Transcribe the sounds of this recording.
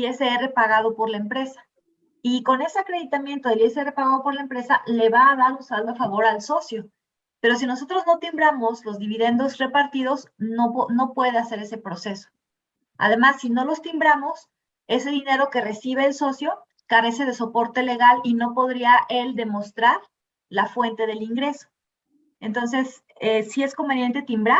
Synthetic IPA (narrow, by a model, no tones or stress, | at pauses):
eseere̞paɣað̞o̞po̞ɾlaempɾe̞sḁ | iko̞ne̞seakɾe̞ðit̪amje̞nt̪o̞ðelieseere̞paɣaðo̞po̞ɾlaempɾe̞sale̞βaːðaɾunsalβoafaβo̞ɾalso̞sjo̞ | pe̞ɾo̞s̬ino̞sot̪ɾo̞zno̞t̪imbɾamo̞slo̞zðiβiðe̞nd̪o̞zre̞paɾt̪iðo̞znono̞pwe̞ðease̞ɾe̞se̞pɾo̞se̞so̥ | a̰ðe̞masːino̞lo̞st̪imbɾamo̞s | e̞se̞ðine̞ɾo̞ke̞re̞siβ̞e̞ːlso̞sjo̞ | kaɾe̞se̞ð̞e̞so̞po̞ɾt̪e̞le̞ɣalino̞po̞ðɾiaʔe̞ld̪e̞mo̞st̪ɾaɾ | lafwe̞nt̪e̞ðe̞liŋɡɾe̞so̞̥ | e̞nt̪o̞nse̞s | esie̞sko̞mbenje̞nt̪e̞t̪imbɾa